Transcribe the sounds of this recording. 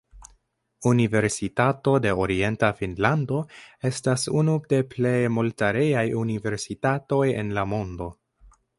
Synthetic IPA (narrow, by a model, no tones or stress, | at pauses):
unive̞ɾsitato̞de̞oɾie̞ntafinlando̞e̞stasunude̞ple̞jmoltaɾe̞jajunive̞ɾsitato̞je̞̰nlamo̞ndo̞